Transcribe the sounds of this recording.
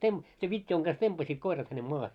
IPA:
seʋ ʋitʲjoiŋ ɡ̊ɑs tempɑsiːt koirɑt hænem moɑhe

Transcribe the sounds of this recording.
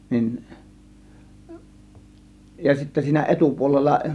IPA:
nin jɑ sitːæ siːnæ ʔetupuolelːɑ

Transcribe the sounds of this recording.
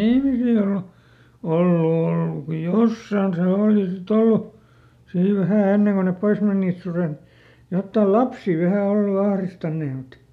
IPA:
ihmisilːe o olːu olːu ko josːɑːn se oːli sit olːu siː ʋæhæ enːeŋ ko nep pois menˑiˑt suret jotːɑˑ lɑpsiˑ ʋæhæ olːu ɑhristɑnːeː mut

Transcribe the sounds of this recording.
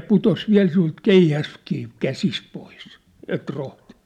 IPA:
putos ʋiæ̝l sin̆ult keihæskiː kæsist pois et rohti̥n̥

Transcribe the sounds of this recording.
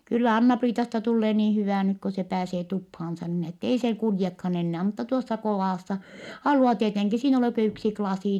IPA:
kylːæ ɑnːɑpriːtɑstɑ tulːeː niːn̞ hyʋæˑ nyk ko se pæːseː tuphɑːnsɑ niːn etːei seː kuljekhɑn enːæː mutːɑ tuosːɑ koʋɑˑsːɑ hɑluɑ tieteŋki siːn ei oleˑ kø yksi klɑsiˑ

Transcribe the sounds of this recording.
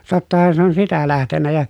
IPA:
totːɑhɑn se on sitæ læhtenːæ jɑ

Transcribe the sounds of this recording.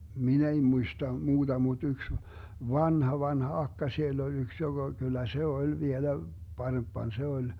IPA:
min ei muistɑ muːd̥ɑ mud̥ yks ʋɑnhɑ ʋɑnhɑ ɑkːɑ sielː olʲ yks joɡ̊ɑ kylˑæ se olʲ ʋielæ pɑrempːɑn se olʲ

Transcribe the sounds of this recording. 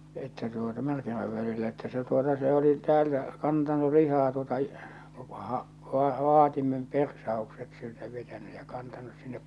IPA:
etːæ tuotɑ mærkimæʋ ʋælilːæ etːæ se tuotɑ se oli tæːltæ kɑntɑnu lihɑː tuotɑ ʋɑː ʋɑ ʋɑ ʋɑːtimem persɑokset siltæ ʋetæny jɑ kɑntɑnus sinːep

